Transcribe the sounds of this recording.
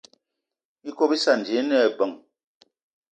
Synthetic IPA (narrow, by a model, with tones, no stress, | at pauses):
i˦ko˦bi˦sa˦˨n˨d͡ʒe˨˦nɛ˦˨bə˨ŋ